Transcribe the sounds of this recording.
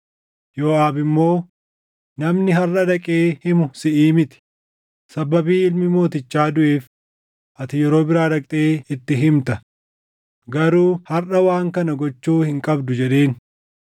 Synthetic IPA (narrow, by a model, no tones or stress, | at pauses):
joːʔaːbɪmːo̞ː | nɐmnɪɦɐrʔɐd̪ɐkʼeːhɪmʊsɪʔiːmɪt̪ɪ̥ | sɐbɐbiːɪlmɪmo̞ːt̪ɪt͡ʃːaːd̪ʊʔeːf | ʔɐt̪ɪjɛɾo̞ːbɪɾaːɾɐkʼt̪ʼeːɪt̪ːɪɦɪmt̪ɐ | ɡɐɾuːhɐrɐwaːŋkɐnɐɡɔt͡ʃːuːhɪŋkʼɐbd̪ʊd͡ʒɛᶑe̞ːn